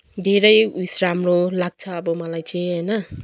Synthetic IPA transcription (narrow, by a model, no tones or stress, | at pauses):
dʱeɾʌjujsɾamɾolaɡ̚t͡sʰʌːbʌmʌlajt͡ʃʰeɦʌjnʌ